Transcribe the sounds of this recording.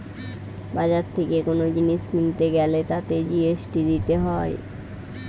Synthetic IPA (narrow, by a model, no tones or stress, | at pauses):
bad͡ʑaɾt̪ʰekekonod͡ʑiniʃkint̪eɡɛlet̪at̪ed͡ʑieʃʈid̪it̪eɦɔe